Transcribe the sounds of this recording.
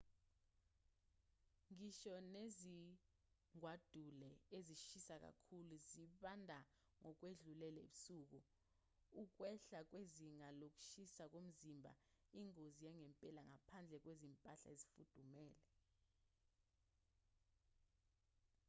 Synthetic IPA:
ŋiʃɔnezi | ŋʱwad̥ʱulɛeziʃisak̬a̰kʰuluziɓandʱa | ŋɔk̬weɮulɛlɛiɓusuːk̬u | uk̬wɛɬak̬weziŋalok̬ʼu̥ʃisak̬om̩zimbʱa̰iŋozijaŋɛmpʼɛlaŋapʰand͡ɮʱɛk̬wezimpʼaɬa̰ezifud̥ʱumɛːlɛ

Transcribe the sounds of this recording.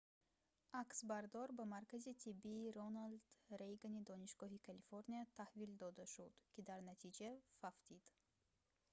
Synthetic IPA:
aksbaɾd̪ɔɾbamaɾkazit̪ʰibːiːɾonald̪̥ɾejɡanid̪ɔniʃɡɔɦikʰalifoɾniat̪ʰahvild̪ɔd̪aʃud̪̥kʲʰid̪aɾnat̪ʰid͡ʒafaft̪ʰid̪̥

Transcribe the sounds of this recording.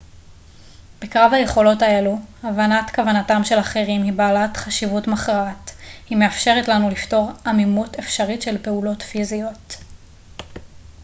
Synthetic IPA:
b̥ekʁavhaje̞χo̞lo̞tajaluavanatkavanatamʃe̞laχeʁimhibaːlatχaʃivutmaχʁaathime̞afʃe̞ʁetlanulifto̞ʁamimute̞fʃaʁitʃe̞lpe̞ulo̞tfizijo̞t

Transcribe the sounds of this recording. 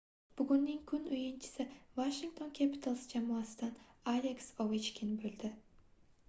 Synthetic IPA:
b̥ʊɡʲʊnːɪŋkʰʊnʊjɪnt͡ʃʰɪ̥sɪvaʃɪŋt̪ʰo̞nkʲʰapʰɪ̥t̪ʰalˠsɪd͡ʒamɒasɪd̪analʲeksovɪt͡ʃkʲʰɪnbolˠd̪ɪ

